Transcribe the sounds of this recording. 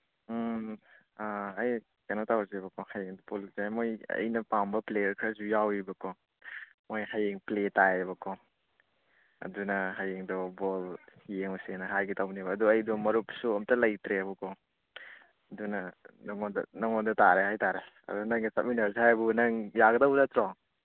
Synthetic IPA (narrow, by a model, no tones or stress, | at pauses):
aːj | kanatawzebɐkʰɔhajeŋdɔpoluzamojɐ̰jnɐpambɐplejɐɾkʰɾɐzujawibɐkʰɔ | mojhajeŋpletaebɐkʰɔ | ɐ̰dunɐɦajeŋdɔbɔljeŋɔsenɐɦajɡitawnibɐːduɐjdɔmɐɾupsuɐmtɐlɐjtɾebukʰɔ | ɐdunɐnɔŋɔdɐ̰nɔŋɔndɐtaɾeɦajtaɾe | ɐ̰dunɐŋisa̰p̚minɐɾsehajbunɐŋjaɡɐdɐwdatɾɔŋ